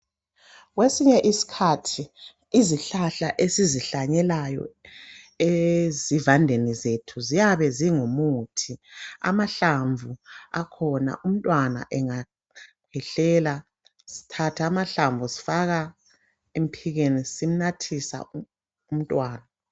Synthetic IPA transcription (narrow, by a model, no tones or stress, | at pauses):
ɣwesiɲɛʔisi̥kʰatʰi | iziɬaɬaʔesiziɬaɲɛlajɔ̰ | ezivandʱenizetʰuzijaβɛziŋomutʰia̰maɬaɱvua̰kʰɔna̰ʔum̩tʼwana̰ʔɛŋa | kʰɛɬɛːla | si̥tʰatʰamaɬaɱvusi̥faɣa | em̩pʰiɣenisim̩natʰisa̰ | um̩tʼwaːna